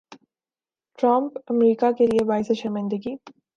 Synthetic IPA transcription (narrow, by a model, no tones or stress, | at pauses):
ʈɾə̃mpɐmɾiːkakelieʋaːɪseʃəɾmɪ̃nd̪əɡi